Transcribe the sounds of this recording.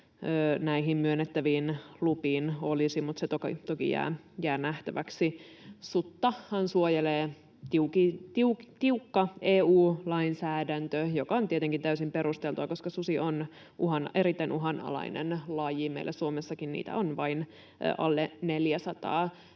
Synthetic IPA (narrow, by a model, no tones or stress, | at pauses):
øːnæiɦimmyønːet̪ːæʋiːnlupiːnolisimut̪set̪okḭt̪okḭjæ̰ː | jæːnæht̪æʋæksi | sut̪ːɑhhɑnsuojeleː | t̪iukit̪iukt̪iukːɑeːuːlɑinsæːdænt̪øjokɑont̪iet̪eŋkint̪æysimpe̞ɾust̪elt̪uʋɑko̞skɑsusion | ʔuɦɑnʔeɾit̪ːæinʔuɦɑnɑ̰lɑ̰inḛnlɑjimḛilʔæsuomesːɑkinnḭːt̪æ̰onʋɑin̰ː | ʔɑlːeneljæsɑt̪ɑ̰ː